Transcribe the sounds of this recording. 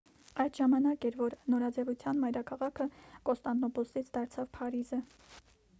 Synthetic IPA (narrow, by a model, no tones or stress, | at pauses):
ɑjd̪ʒɑmɑnɑkɛɾvɔɾnɔɾɑd͡zɛvut͡sʰjɑnmɑjɾɑkʰɑʁɑkʰəkɔst̪ɑnt̪nɔpɔsit͡sʰd̪ɑɾt͡sʰɑvpʰɑɾizə